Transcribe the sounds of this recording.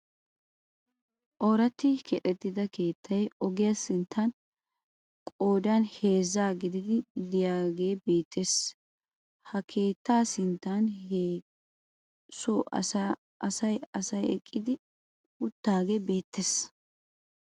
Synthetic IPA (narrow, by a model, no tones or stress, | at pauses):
ʔɔːɾɐt̪ːɪkʰɛʔʼɛt̪ːɪd̪ɐke̞ːt̪ʰːɐjɔɡɪjasɪnt̪ʰːɐn | kʼoːd̪anhe̞ːzːaːɡɪd̪ɪd̪ɪd̪ɪjaːɡeːbe̞ːt̪ːes | hɐkʰe̞ːt̪ːaːsɪnt̪ːane | sɔ | ɐsɐjɐsɐjɛkʼːɪd̪ɪ | ʊt̪ːaːɡe̞be̞ːt̪ːes